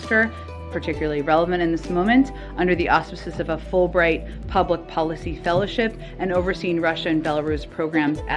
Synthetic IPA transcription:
skə˞ | pʰə˞tʰɪkjl̩ˠə˞l̩ˠiɹɛlˠəvɨ̃ɾ̃ɨ̃nðɪsmõʊ̃mɨ̃nt | ʔʌ̃ndə˞ðiʔɑspɨsɨzʌvəfʊlˠbɹaɪt̚ | pʰʌblək̚pʰɑlˠəsifɛlˠoʊʃɪp | ʔɨ̃noʊvə˞sĩnɹʌʃɨɨ̃nbɛlˠəɹʉspʰɹ̥oʊɡɹæ̃mzɨ

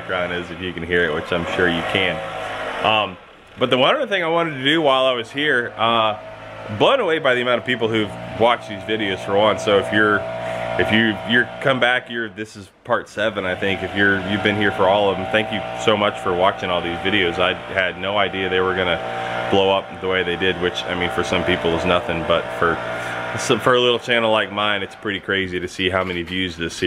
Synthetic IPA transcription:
ɡ̥ɹãʊ̃ndɪzɨfjɨkɨ̃n̩ɦiɹɨt̚wɨt͡ʃãɪ̃mʃʊɹjɨkʰɨ̃nʔʌ̃m | b̥ʌt̪̚ðəwʌ̃nə˞ðθɪ̃ŋaɪwɑ̃ɾ̃ɨd̚tɨdɨwaɪlˠaɪwʌz̥hiɹʌ | blõʊ̃nəweɪbaɪðiɨmãʊ̃nʌv̥pipl̩ˠhʉvwɑt͡ʃ̚ðizvɪɾioʊz̥fə̃nsoʊɨfjə˞ɨfjɨjə˞kʰʌ̃mbækjə˞ðɪsɨz̥pʰɑɹtsɛvɨ̃naɪθɪ̃ŋkɨfjə˞jʉvbɨ̃nɦiɹfə˞ɔlˠʌvɨ̃m̩θæ̃ŋkjɨsoʊmʌt͡ʃfə˞wɑt͡ʃɪ̃ŋɔlˠðizvɪɾioʊzaɪɨdⁿnoʊaɪdiɨðeɪwə˞ɡʌnɨ | b̥loʊʌp̚ðəweɪðeɪdɪd̚wɨt͡ʃa̰ɪmĩnfə˞sʌ̃mpipl̩ˠʌznʌθɪ̃ŋbʌtfə˞sʌ̃fə˞əlɪɾl̩ˠt͡ʃʰæ̃nl̩ˠlaɪk̚mãɪ̃nɨtspʰɹ̥ɪɾikʰɹ̥eɪziɾɨsiɦaʊmɛñivjʉzðɪsh

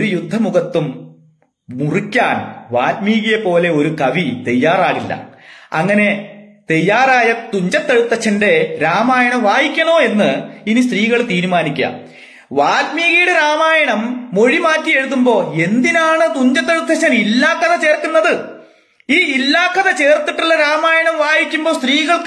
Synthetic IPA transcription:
oɾujud̪ʱːɐmuɣɐt̪ːum | murikʲːaːnʋaːlmiːɣɐjɐpo̞ːle̞o̞ɾukɐʋit̪ejːaːraːɣilːɐ̰ɐ̰ŋːɐne̞t̪ejːaːraːjɐt̪uɲd͡ʑɐt̪ːeɻut̪ːɐɕːɐnde̞ɾaːmaːjɐɳɐmʋaːjikʲːɐno̞ːe̞nːɨinist̪riːɣɐɭt̪iːɾumaːnikʲːɐ̰ | ʋaːlmiːɣijuɽeɾaːmaːjɐɳɐmːo̞ɻimaːtːije̞ɻuðumbo̞ːe̞nd̪inaːɳɨt̪uɲd͡ʑɐt̪ːe̞ɻut̪ːɐt͡ɕːɐnilːaːkːɐðɐt͡ɕe̞ːrk̪ːunːɐðɨ | iːilːaːkːɐðɐt͡ɕe̞ːrt̪ːiʈːilːɐɾaːmaːjɐɳɐmʋaːjikʲːumbo̞ːst̪riːɣɐɭ

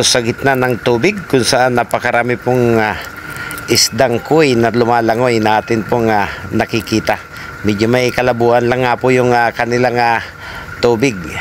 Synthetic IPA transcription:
sɐɡɪt̪̚nanɐŋt̪uːbɪɡ̚kʊnsɐʔanːɐpɐkɐɾaːmɪpʊŋa | ʔɪsd̪aŋkʊjnɐlʊmaːlɐŋojnɐʔaːt̪ɪnpʊŋanɐkɪkiːt̪a | mid͡ʒomɐjkɐlɐbuːʔɐnlɐŋːaːpʊjʊŋakɐnɪlaŋa | t̪uːbɪɡ̚

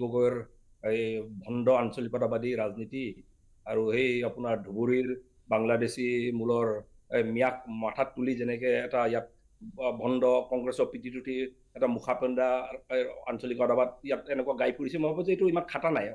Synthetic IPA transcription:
ɡɔɡɔɛɹ | jbʱɔndɔansolikɔdabadiɹazniti | aɹuhejapʊnaɹdʱubuɹiɹ | baŋladesimulɔɹ | mijak̚matʰatːulizɛnɛk̬ɛːtaijat̚ | bʱɔndɔkɔŋɡɹɛsɔɹpitʰituti | ɛtamukʰapɔnda | a̰nsɔlikɔdabad̚ijatɛnɛkuaɡajpuɹisɛmobʱabɔzetʊimankʰatanaj

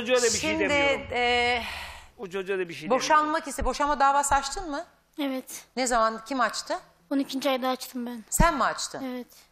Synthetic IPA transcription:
od͡ʒd̪ɛiʃimd̪ɪɛ | ut͡ʃʰod͡ʒud̪ɛbiʃebo̞ʃanmacist̪ɛbo̞ʃanmad̪aːvaːsat͡ʃt̪ʰɯnmɯ | evɛt̪nezamancʰimat͡ʃt̪ʰɯ | onicʰind͡ʒiajd̪aːt͡ʃt̪ʰɯmbænsænmuat͡ʃt̪ʰɯ̰evɛt̪

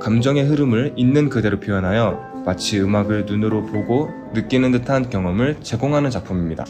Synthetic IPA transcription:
kamd͡ʑʌŋe̞ɦɯɾɯmɯɭinːɯnkɯde̞ɾopʰijʌnɦajʌ | mat͡ɕʰiɯmaɡɯɭnunɯɾopoɡo | nɯk͈inɯndɯtʰankjʌŋʌmɯɭt͡ɕe̞ɡoŋɦanɯnt͡ɕak̚pʰumimɲida̰

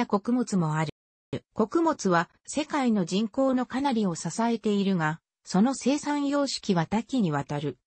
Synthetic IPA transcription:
ako̞kɯ̟mo̞t͡sɨmo̞aɾɯ | ko̞kɯ̟mo̞t͡sɨβa | se̞kaino̞ʑĩŋko̞ːno̞kanaɾʲio̞sasae̞t̪e̞iɾɯ̟ɡa | so̞no̞se̞ːsãɰ̃jo̞ːɕi̥kʲiβat̪akʲiɲ̟iβ̞at̪aɾɯ̟

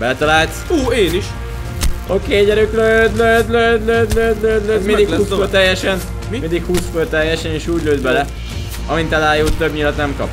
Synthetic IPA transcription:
bɛt̪ɒlaːlt̪soːeːniʃ | okeːɟɛɾyklølɛlɛɛlɛɛmind̪ikuːsøt̪ɛjːɛʃɛn | mmind̪ikhuːsføːrt̪ɛjːɛʃɛneːʃuːɟløːd̪̚bɛlɛ | ɒmint̪ɛlaːjut̪ːøbɲiːlɒt̪nɛmkɒ̰p

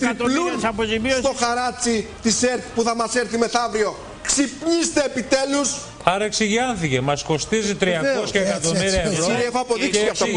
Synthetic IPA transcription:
lusɐpozimist̪oxɐɾɐt͡sit̪iseɾθi̥puθɐmɐseɾθimeθɐvɾio̞ | ksipɲist̪eːpit̪elus | ɐɾɐeksiʝiɐnθicemɐsko̞st̪izit̪ɾiɐosçɐekɐt̪omiɾiɐevɾoɾexoɐpoðiksiɐfɐ

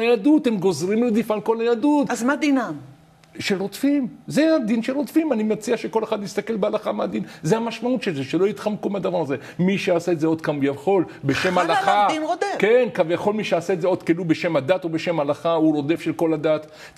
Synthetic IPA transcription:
ajadut̪emɡo̞zʁimlod̪ifalko̞lajadut̪azmad̪inam | ʃelʁotfimzead̪inʃelʁo̞t̪fimanimeat͡siaʃeko̞le̞χad̪nist̪ake̞lbealaχamead̪inzeamaʃmaut̪ʃelzeʃelojit̪χamkumead̪avaʁaze | miʃeasaetzeo̞d̪kamujavχo̞l | beʃemalaχadinʁodekenkavjaχo̞lmiʃeasaezeo̞d̪kelube̞ʃe̞mad̪at̪o̞beʃemalaχauɾo̞d̪e̞fʃelko̞lad̪at̪

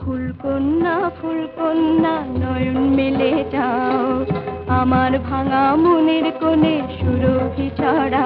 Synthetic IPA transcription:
pʰulkonːapʰulkonːanɔjunmilet͡ɕaoamaɾbʱaŋamoneɾkoneʃuɾobʱit͡ɕaɾa

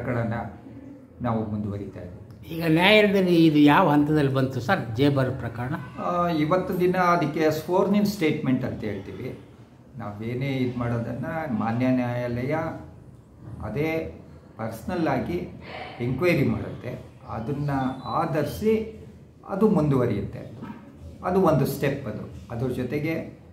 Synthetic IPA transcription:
ɐkɐɭɐnːɐ | naːʋumund̪uʋɐɾit̪a̰ːjbeːd̪uiːɡɐnjaːjɐlɐd̪ɐlːiːd̪ujaːʋɐɦɐnt̪ɐd̪ɐlːibɐnt̪usaɾd͡ʒeːbɐɾpɾɐkaːɾɐɳɐiʋɐt̪ːɐd̪inɐɐd̪ikːesfoːɾninsʈe̞ːʈme̞ɳʈɐnt̪ɐɦeːɭt̪ḭːʋi | naːʋe̞ːneːid̪maːɽoːd̪ɐnːɐmaːnjɐnjaːjalɐjɐ | ɐ̰d̪eː | pɐɾsɐnɐlːaːɡieŋkʋɐjɾima̰ːɽut̪ːe̞ɐ̰d̪ɐnːɐaːd̪ɐɾisi | ɐ̰d̪umund̪uʋɐɾijɐt̪ːeɐ̰nd̪u | ɐd̪uʋond̪usʈe̞pːɐd̪uɐd̪ɐɾɐd͡ʒɔt̪eɡe̞

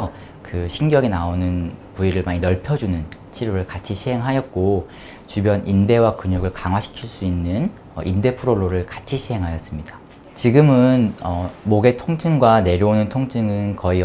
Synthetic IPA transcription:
kɯɕʰiŋɡjʌɡinaonɯnpuiɾɯɭmaɲinʌɭpʰjʌd͡ʑunɯnt͡ɕʰiɾoɾɯɭkat͡ɕʰiɕʰiɦe̞ŋɦajʌt̚k͈o | t͡ɕubjʌnʔinde̞wakuɲuɡɯɭkaŋwaɕʰi̥kʰiɭs͈uinːɯn | ʌ̰ʔinde̞pʰuɾoɭːoɾɯɭkḁt͡ɕʰiɕʰiɦe̞ŋɦajʌs͈ɯmɲida | t͡ɕiɡɯmɯnʌmoɡe̞tʰoŋt͡ɕʰɯŋɡwane̞ɾjoonɯntʰoŋt͡ɕʰɯŋɯnkʌi

